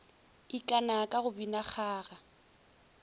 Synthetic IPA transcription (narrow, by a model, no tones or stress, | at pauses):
ikʼanakʼaɣʊbinak͡xʰaːɣa